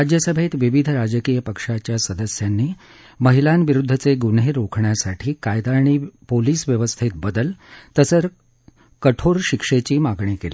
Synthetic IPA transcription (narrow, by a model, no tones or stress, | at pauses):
ɾad͡ʑjəsəbʱet̪ʋiʋid̪ʱəɾad͡ʑəkijəpəkʂat͡ɕjasəd̪əsjanːiː | məɦilanʋiɾud̪ʱːət͡seɡuɳɦeɾokʰɳjasaʈʰiːkajd̪aːɳ̃iːpoliːsʋjəʋəst̪ʰit̪̚bəd̪əlt̪əsəɾ | kəʈʰoɾɕikʂet͡ɕiːmaɡɳikeli